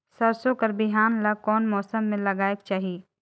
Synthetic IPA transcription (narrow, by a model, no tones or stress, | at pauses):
sɐɾsõkɐɾbɪɦaːnlɐkɔːnmɔːsəmːẽlɐɡaːekt͡ʃaːɦieː